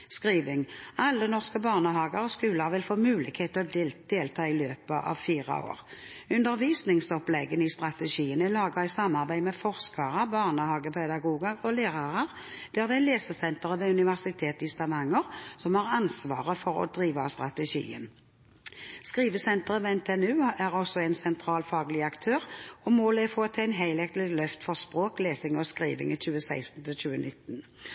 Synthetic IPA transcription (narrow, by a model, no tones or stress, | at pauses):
skʁiːʋɪŋɑlːənɔʁskəbɑːʁnəhɑːɡəʁɔskʉːləʁʋɪlfoːmʉːlɪkheːt̪ʰːɔd̪̥eːlt̪ʰɑːɪløːpəʔɑ̰ʋfiːʁɑ̰o̰ːʁ | ʉnd̪əʁʋiːsnɪŋsɔplɛɡənɪst̪ʁɑt̪əʃiːənælɑːɡɑɛɪsɑmːɑʁbæɪmɛfɔʁskɑʁəbɑːʁnəhɑːɡəpʰɛd̪ɑɡuːɡəʁɔleːʁɑʁəʁ | d̪̥æːʁd̪ɛænleːsəsɛnt̪əʁəʋeʉnɪʋæʁsɪt̪ʰeːt̪ɪst̪ɑʋɑŋəʁsɔmhɑʁɑnsʋɑːʁəfɔʁɔ̰d̪ʁiːʋɑst̪ʁɑt̪ɛʃḭːə̰n | skʁiːʋəsɛnt̪əʁəʋɛnt̪ʰɛɛnʉːæʁɔsɔɛɪnsɛnt̪ʰʁɑːlfɑːɡlɪɑkt̪ʰøːʁɔmoːlɛfoːt̪ʰɪæɪnɦæɪlɛkt̪lɪlœft̪fɔʁspʁoːkleːsɪŋɔskʁḭːʋɪ̰ŋəçʉːəsæɪst̪n̩t̪ʰɪlçʉːənɪt̪ːn